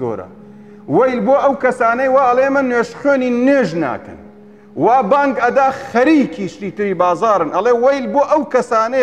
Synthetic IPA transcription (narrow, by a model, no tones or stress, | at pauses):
o̰ɾɐ̰ | wɐjlboːʔɐwkɐsaːnɐjwaːɐlˠemɐnweːʃxøːniːnweːʒna̰ːkɐ̰n | waːbaːŋɡɐd̪aːxɐɾiːkʰiːʃt̪iːt̪ɨɾiːbaːzaːɾɨnʔɐlˠewɐjlboːʔɐwkɐsaːnɐ